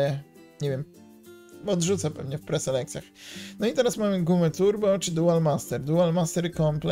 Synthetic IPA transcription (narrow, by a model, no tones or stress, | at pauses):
ɛ | ɲevʲjɛm | ɔd̪ʐut̪sapɛvɲɛfpɾɛsɛlɛkt̪sʲjaxnɔit̪ɛɾasmamɘɡumɛt̪uɾbɔt͡ʂɘd̪ualmast̪ɛɾd̪ualmast̪ɛɾkɔmplɛ